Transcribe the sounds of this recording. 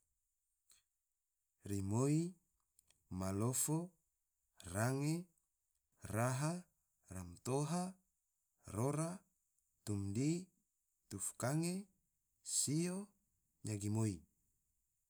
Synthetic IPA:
rimoi | malofo | raŋe | raɦa | ramt̪oɦa | roɾa | t̪umdi | t̪ufkaŋe | sio | ɲaɡimoi

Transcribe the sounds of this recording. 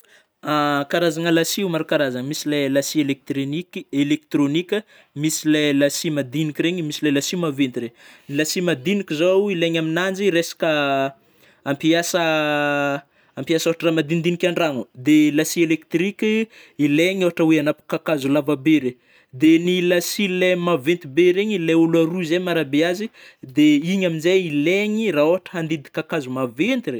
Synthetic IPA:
akaɾazaŋəlasiumaɾukaɾazaŋəmisilelasielek̚t̪ielek̚t̪ɾonikʲə | misilelasimad̪inikʲiɾeɲimisilelasiumavent̪irenilasimad̪inikʲizowileɲaminand͡ʒiɾesḁkə | ampiasə | ampiasowaʈ͡ʂəramad̪ind̪inikʲaɳɖ͡ʐanud̪elasielek̚t̪rikʲi | ileɲoɦaʈ͡ʂəweanapu̥kakazulavabeɾe | d̪enilasilemavent̪ibeɾeɲileulaɾuizemaɾabeazi | d̪eiɲaminzejileɲiraoɦaʈ͡ʂə̥ɦand̪id̪ikakazumavent̪ire

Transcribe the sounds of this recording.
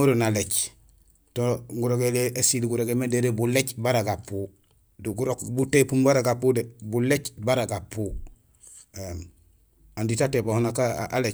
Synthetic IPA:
oɾonalet͡ʃ | toŋɡuɾoɡeleesilɡuɾoɡemendeɾebulecbaɾaɡapːu | duɡuɾokbutepumbaɾaɡapudebulecbaɾaɡapːu | em | anditatebahunakaa̰le

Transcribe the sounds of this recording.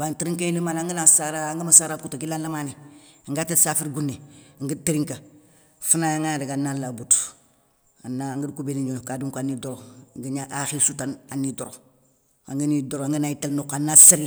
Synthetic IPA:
bantiɾiŋkailimaːnaŋɡənasaɾaŋɡəmasaɾakutoɡilanlamaniŋɡatesafiɾɡunːeŋɡətiɾiŋka | funajaŋadeɡanːalabut | anːaŋɡədkubeniɲokaduŋkanidoɾoɡiɲaʔaxisutananːidoɾo | a̰ŋɡənidoɾoaŋɡənaitelnokanːasil

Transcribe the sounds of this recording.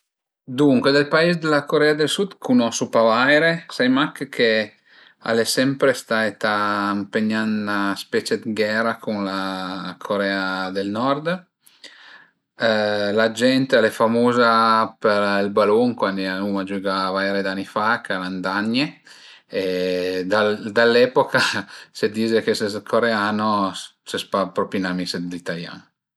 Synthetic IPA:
d̪uŋkwed̪elpaezd̪elakoɾɛad̪elsud̪kʰunɔsupavajɾesajmakkʰe | a̰lesɛmpɾest̪aet̪ampeɲːanaspɛːt͡ʃed̪ɡɛɾakʰunlakʰoɾɛːad̪elnɔrd̪ | lad͡ʒɛnt̪alɛfamoːzapeɾlbaluŋkwand̪ianumad͡ʒuːɡavajɾed̪anːifakaland̪aɲːe | ed̪ald̪alːɛpokased̪iːzekeseskʰoɾeaːnosespapɾɔpinamiselit̪alja̰ːn

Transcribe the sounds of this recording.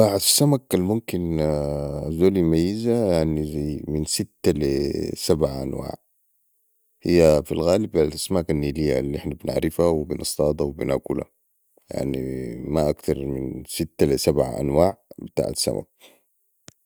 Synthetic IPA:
baʕasːamakalmumkin | zoːlimajːizajaʕnizajminsit̪ːalisabʕaʔa̰nwa̰ːʕ | hḭjːafilɣaːlibalʔasmaːkanːilijːa̰lːiʔɪħnabina̰ʕɾɪfawibinʔɑsˤt̪ˤɑːd̪ˤɑwibinakula̰ | ja̰ʕnḭmaʔakt̪ɑɾˤminsit̪ːalisabʕa̰ʔa̰nwaːʕbit̪a̰ːʕasːa̰mʔa̰k̚

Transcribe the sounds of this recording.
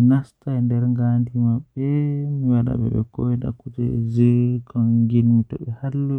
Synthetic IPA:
nastandɛɾŋɡandimaɓːɛmiwaɗa̰ɓɛ̰ɓɛ̰kɔwɛda̰kud͡ʒɛd͡ʒɛkɔŋɡinmitɔ̰ɓɛhalːɔ

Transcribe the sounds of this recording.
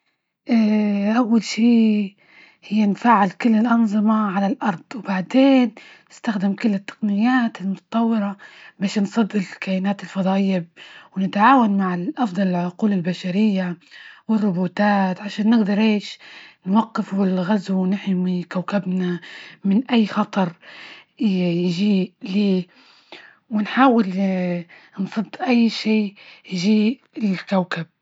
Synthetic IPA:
ʔaʔawːalʃiː | hɪjːanfaːʕɪlkɪlːɪlʔɑnzˤɨmaʕalalʔɑɾˤd̪̥ˤwbaʕd̪eːnː | ɪst̪axd̪ɪmkʊlːɪt̪ːḁqnɪjːaːt̪ɪlmʊt̪ɑ̥t̪ˤɑwːɪɾabaːʃnsˤɑd̪ːɪllkajɪnaːt̪ɪlfɑd̪ˤɑːʔɪjːabwnɪt̪ʕaːwanmaʕɪlʔɑfd̪ˤɑlɪlʕʊquːlɪlbaʃaɾɪjːawɪrːʊbuːt̪aːt̪ʕaʃaːnːɪɡd̪ɑɾˤʔeːʃnwaqːɪfɪlɣazwnɪħmikawkabnamɪnʔajːxɑt̪ˤɑɾˤ | jʒiːliː | wɪnħaːwɪl | nsˤɨd̪ːʔajːʃiːjʒiːʔ | ɪlkawkab̚

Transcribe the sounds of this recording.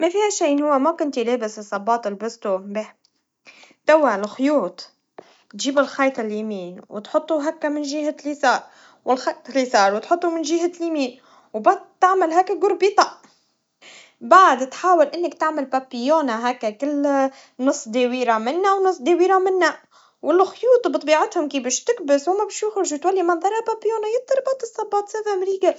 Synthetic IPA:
mafihaʃaːnhʊwːemakʊnt̪ileːbɪsɨsˤːɑbːɑːt̪ˤɪlbɪst̪umbeːħ | t̪awːaʕlxʊjuːt̪ˤ | t̪ʒiːbɪlxɑjt̪ˤɪljamiːnwɪt̪ħʊt̪ˤːuɦakːamɪnʒɪhalːisɑːɾˤ | wʔɪlxɑlːisɑːɾˤwt̪ħʊt̪ˤːumɪnʒɪɦaljamiːn | wbad̪t̪ːaʕmalɦaːkːaɡʊɾbit̪ˤɑʔ | baʕd̪t̪ħaːwɪlʔɪnːakt̪aʕmalpapːɪjoːnaɦakːakɪlː | nɨsˤːd̪ewiːɾamɪnːawnɨsˤːd̪ewiːɾamɪnːa | wʔɪlːxʊjuːt̪ˤɑbɨt̪ˤbiːʕat̪hʊmkiːbɪʃt̪ɪkbɪswmabɪʃjʊxɾʒwt̪walːimɑnðˤɑɾˤɑpapːjoːnajɪt̪ˤːɑɾbɑʕt̪ˤɨsˤːɑbɑːt̪safamɾiːɡa

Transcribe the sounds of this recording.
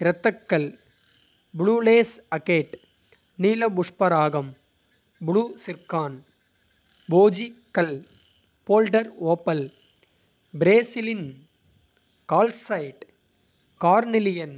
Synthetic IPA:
ɪɾɐt̪ːɐkːɐl | bɪɭuːleːsɐkeːʈ | niːlɐbʊʂpɐɾaːɣɐm | bʊɭusɪɾkaːn | boːd͡ʒikːɐl | poːlɖɐɾoːpːɐl | bɪɾeːsɪlɪn | kaːlsɐɪʈ | kaːɾnɪlɪjɐn

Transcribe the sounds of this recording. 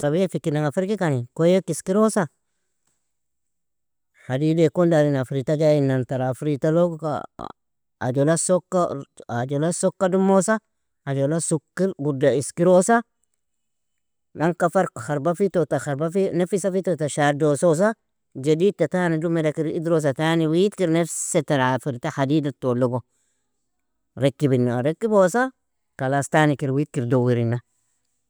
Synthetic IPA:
tabijefikːinaŋɡafiɾkikanikojekiskiɾosa | hadidekondaɾinafɾitad͡ʒainːantaɾafɾitaloka̰ | a̰d͡ʒolasokːaad͡ʒolasokːadumosa | ad͡ʒolasukːiɾɡudaiskiɾosa | naŋkafaɾxaɾbafitotaxaɾbafinefisafitotaʃaɾdosos̬a | d͡ʒadiːd̚tatanidumedakiɾḭd̪ɾos̬ataniwitkiɾnefsetaɾafiɾtahadiːdatoloɡo | ɾekːibinːaaɾekːibosa | kalastanikiɾwit̚kiɾdowiɾinːa

